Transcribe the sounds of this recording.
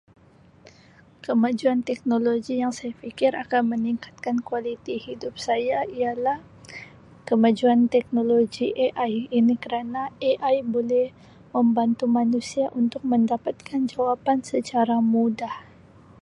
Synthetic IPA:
kəmad͡ʒuant̪ɛk̚noloɡijaŋsajafikɪɾʔakanməniŋkḁt̪̚kankualit̪ihidʊp̚sajaialah | kəmad͡ʒuant̪ɛk̚noloɡiʔeʔajinikəɾanaeʔajbolɛh | məmbant̪umanusiaʔunt̪ʊk̚məndapat̪̚kand͡ʒawapansət͡ʃaɾamudah

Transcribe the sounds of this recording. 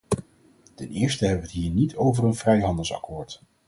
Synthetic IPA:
tɛnɪːɹstəɦɛbəʋəətɦiːɹnitʰowvərənvrɛjɦɑndəlˠsɑ̰kʊːɹt

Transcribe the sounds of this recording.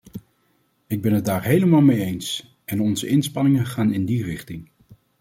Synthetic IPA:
ɪɡ̚bɛnɦəd̚daːɹɦejləmaːlˠmejejns | ʔɛnɔnzəʔɪnspɑnɪŋənχaːnɪndirɪχtɪŋ

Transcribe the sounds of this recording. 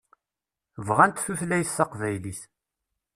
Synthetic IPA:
vʁænt̪θuθlæjθːɑqvæjliθ

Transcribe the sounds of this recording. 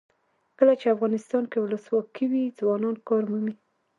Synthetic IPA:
kəlat͡ʃeafɣɑnɪst̪ɑnkewʊləswɑkiwid͡zwɑnɑnkɑɾmumi

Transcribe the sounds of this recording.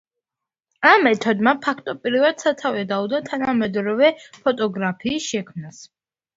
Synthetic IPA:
amːɛt̪ʰɔd̪mapʰakʰt̪ʼɔpʼiɾivad̪̥sat̪ʰavɛd̪aud̪at̪ʰanamɛd̪ɾɔvɛpʰɔt̪ʼɔɡɾapʰiːsʃɛkʰmnas

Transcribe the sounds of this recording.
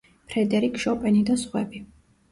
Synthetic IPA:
pʰɾɛd̪ɛɾikʰʃɔpʼɛnid̪asχwɛbi

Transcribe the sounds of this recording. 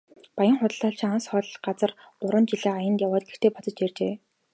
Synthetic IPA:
pajə̆ŋχʊt̪ə̆ɮɔːɬt͡ɕʰĭŋansχœːɮ̆ɮɢat͡sə̆r | ɢʊɾwə̆nt͡ɕiɮeːajə̆nt̪jawaːt̪̚ɡext̪eːpɔt͡sɞ̆t͡ɕert͡ɕeː

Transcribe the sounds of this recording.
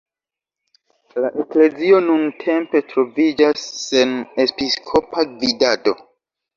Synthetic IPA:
laʔekle̞zio̞nuntʰe̞mpe̞tɾo̞vid͡ʒasːe̞ne̞piskʰo̞paɡvidado̞

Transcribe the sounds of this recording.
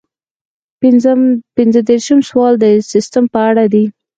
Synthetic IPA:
pɪnzəd̪eɾʃəmswɑld̪əsɪst̪əmpəaɽad̪i

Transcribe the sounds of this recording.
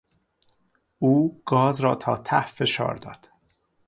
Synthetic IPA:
ʔuːɡ̥ɒːzɾɒːt̪ʰɒːt̪ʰæhfe̞ʃɒ̰ːɾd̪ɒ̰ːd̪̥

